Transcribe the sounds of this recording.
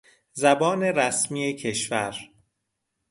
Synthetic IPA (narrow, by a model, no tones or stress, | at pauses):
zæbɒːne̞ɾæsmiːecʰe̞ʃvæ̰ɾ